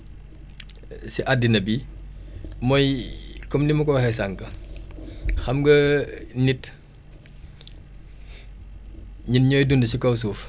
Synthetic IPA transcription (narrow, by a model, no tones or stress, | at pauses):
siʔadːinɐbi | mɔjkɔmnimukɔwɐxɛsaŋkɐ | xɐmɡɐnit | ɲinɲɔːjdundəsikɐwsuːf